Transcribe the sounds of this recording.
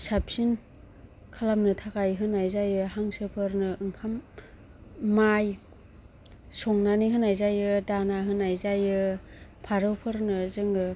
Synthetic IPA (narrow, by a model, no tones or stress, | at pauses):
sap̚sin | kʰalamnɯtʰakajɦɯnajzajɯɦaŋsɯpʰɯɾnɯɯŋkʰam | aj | sɔŋnaniɦɯnajzajɯdanaɦɯnajzajɯ | pʰaɾɯwpʰɯɾnɯzɯŋɯ